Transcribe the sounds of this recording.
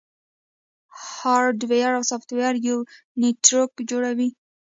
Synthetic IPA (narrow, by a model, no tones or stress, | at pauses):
hɑɾɖwejaɾawsɔft̪wejaɾju | nitɾokd͡ʒoɽawi